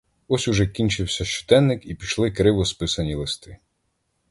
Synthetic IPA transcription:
ɔsʲʊʒɛkʲinʲt͡ʃɪwsʲɐʃt͡ʃɔ̥d̪ɛnːɪkipʲiʃlˠɪkɾɪwɔspɪsɐnʲilˠɪst̪ɪ

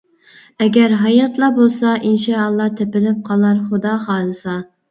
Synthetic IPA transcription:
ɛɡʲæɾɦɑjɑt̪lˠɑbolˠsɑʔinʃɑːlˠːɑt̪ʰepɪlɪp̚qʰɑlˠɑɾχʊd̪ɑχɑːd̪ɨsɑ

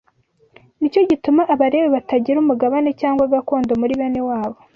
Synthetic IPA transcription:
nico̞ɟitumaʔaβaɾe̞weβataɟiɾumuɡaβane̞caːŋɡwaɡakoːndomuɾiβenewaːβo̞

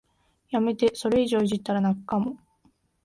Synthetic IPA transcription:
jame̞t̪e̞so̞ɾe̞iʑo̞ːiʑit̪ːaɾanakɯ̟̥kamo̞

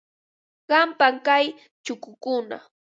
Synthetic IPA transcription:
ɢ̥ɑmpaŋkaj | t͡ʃʊkʊkʊna̰

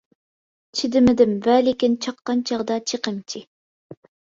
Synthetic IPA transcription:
t͡ʃʰid̪ɪmɪd̪ɪmvɛlɪkʲint͡ʃʰɑqːɑnt͡ʃʰɑʁd̪ɑt͡ʃʰəqəmt͡ʃʰi

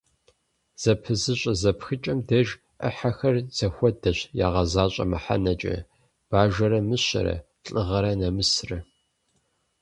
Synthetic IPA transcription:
z̥ɐpʰɨzɨɕʼɐzɐpxɨt͡ʃʼɐmdɐʒ | ʔɐ̰ħaxɐrz̥ɐxʷɔdɐɕja̰ːʁɐzaːɕʼɐ̰mɨħa̰nɐt͡ʃʼɐ̰ | b̥aːʒɐɾɐmɨɕɐ̰ɾɐ̰ | ɬʼɨʁɐɾɐnɐmɨsrɐ

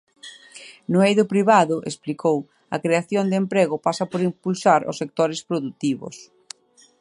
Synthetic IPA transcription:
nʊejðʊpɾiβaðʊʔesplikʰow | ɐ̰kɾeaθjond̪empɾeɣʊpasɐpoɾimpulsaɾʊ̰sːek̚t̪oɾɪspɾoðut̪iβʊ̰s

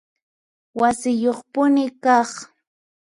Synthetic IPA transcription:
wasɪjoχpʊnɪkɑχ

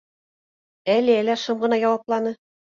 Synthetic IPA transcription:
ælɘælæʃɤmɢɤ̆nɑjɑwɑplˠɑnɤ

